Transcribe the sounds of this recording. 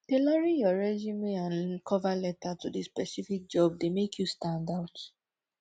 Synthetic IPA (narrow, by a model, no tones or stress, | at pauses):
d̥elaɹijɔɹɛd͡ʒimiãnkʰɔvalɛtatudispɛsifik̚d͡ʒɔb̚demekʰjustãndaʊt